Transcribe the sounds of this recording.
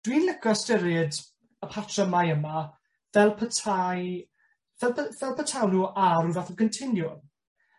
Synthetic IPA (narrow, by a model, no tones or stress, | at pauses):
d̥winlɪɡɔstɪɾɪd | əpʰatʰrəmajəma | vɛlˠpʰətʰaj | vɛlˠəvɛlˠpʰətʰawnuʔaɾuvaθəɡəntʰɪnjʊn